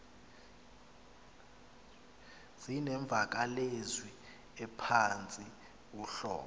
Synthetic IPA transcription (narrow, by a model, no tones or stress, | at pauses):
z̥inɛɱb̪vʱak̬alezwi | ɛpʰant͡sʼi | k̬uɬɔ̰ːkɔ